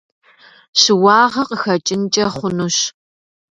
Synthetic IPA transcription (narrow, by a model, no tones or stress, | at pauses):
ɕɨwɑːʁɐqəxɐt͡ʃʼɪnt͡ʃʼɐχʷʊnuɕ